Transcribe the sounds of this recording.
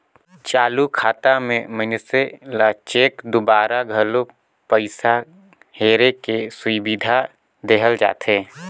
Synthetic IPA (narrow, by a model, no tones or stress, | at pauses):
t͡ʃaːlukʰaːt̪amẽmənselat͡ʃeːkd̪ʊbaːɾaɡʱəlo | pəɪsa | heːɾekesʊibid̪ʱa | d̪eɦəld͡ʒa̰ːt̪ʰeː